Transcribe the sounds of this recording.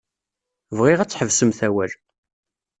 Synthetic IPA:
vʁɪʁæt͡sːħəvsəmθæwæl

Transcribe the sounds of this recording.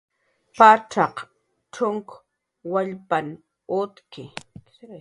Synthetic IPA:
paʈ͡ʂɑq | ʈ͡ʂʊŋk | waʎpan | ʊt̪kɪ

